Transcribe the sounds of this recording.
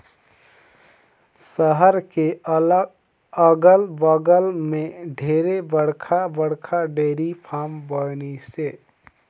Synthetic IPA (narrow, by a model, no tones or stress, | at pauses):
səɦəɾke | əɡəlbəɡəlmẽɖʱeːɾebəɽ̤kʰabəɽkʰaɖeːɾipʰaːmbənise